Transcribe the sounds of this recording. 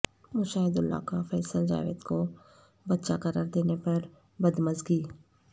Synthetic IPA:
mʊʃaːɪd̪ʊlːa̰ːkafɛːsəld͡ʒa̰ːʋḛːd̪ko | bətːʃakəɾaːɾd̪eːnepɐɾ | bɐd̪məzɡiː

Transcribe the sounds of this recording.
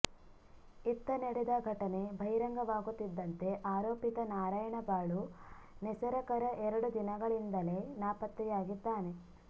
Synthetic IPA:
it̪ːɐneɽed̪ɐɡʱɐʈɐne̞bʱɐjɾɐŋɡɐʋaːɡut̪ːid̪ːɐnt̪e̞ʔaːɾoːpit̪ɐnaːɾaːjɐɳɐbaːɭu | nɛsɐɾɐkɐɾɐʔɛɾɐɽud̪inɐɡɐɭind̪ɐle̞naːpɐt̪ɾijaːɡid̪ːaːne̞

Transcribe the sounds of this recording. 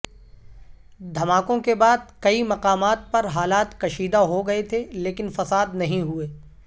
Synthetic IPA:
d̪ʱɐmaːkõkebaːd̪̚kɐimɐqaːmaːt̪̚pɐɾɦaːlaːt̪kɐʃiːd̪aɦoɡɐet̪ʰeleːkɪnfɐsaːd̪nɐɦĩɦueː

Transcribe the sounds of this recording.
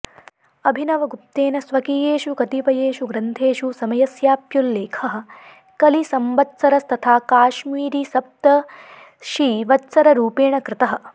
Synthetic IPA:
ɐbʱinɐʋɐɡup̚t̪eːnɐsʋɐkijeːʃukɐt̪iʋɐjeːʃuɡɾɐnt̪ʰeːʃusɐmɐjɐsjaːpjulːeːkʰɐɦɐ̆ | kɐlisɐmʋɐtːsɐɾɐst̪ʰɐt̪ʰaːkaːʃmiːɾisɐp̚t̪ɐ | ʃiːʋɐtːsɐɾɐɾuːpeːɳɐkɾɪt̪ɐɦɐ̆

